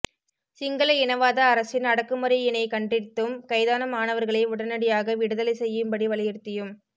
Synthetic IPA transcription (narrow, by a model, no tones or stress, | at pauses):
sɪŋɡɐlɐɪnɐʋaːðɐːɾɐsɪnɐɽɐkːɯmɐɾɐjɪnɐɪkɐɳɖrɪt̪ːɯmkɐɪðaːnɐmaːnɐʋɐɾɣɐɭɐɪʊɽɐnɐɽɪjaːɣɐʋɪɽɯðɐlɐɪsɛjːɯmbɐɽiʋɐlɐjɪɾt̪ːɪjɯm